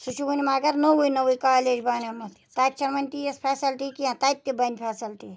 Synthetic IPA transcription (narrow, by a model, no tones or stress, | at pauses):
sut͡ʃʰuɡunʲimaːɡɐɾnowujnɐwujkaːleːd͡ʒbaːnɐmɐt̪t̪aːt̪̚t͡ʃʰɐɾmɐnʲʈijɐspʰaːsɐlʈikiãt̪aːt̪ːibɐnʲpʰaːsɐlʈi